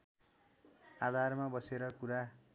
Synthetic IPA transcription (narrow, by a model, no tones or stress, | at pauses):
ad̪ʱarmabʌseɾʌkuɾa